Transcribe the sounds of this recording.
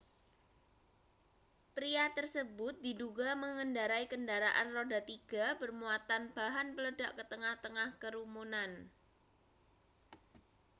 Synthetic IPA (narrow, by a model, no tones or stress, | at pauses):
pɾiat̪ərsəbʊt̪̚di̤duɡaməŋəndaɾaikəndaɾaʔanrodat̪iɡ̥a̤pərmuat̪anb̥aɦanpələdaʔkət̪əŋaht̪əŋahkəɾumunan